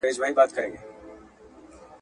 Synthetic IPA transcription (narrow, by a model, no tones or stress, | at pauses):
eːd͡ʒbaːɦibaːt̪kɐɾḛ̃ːŋɡeː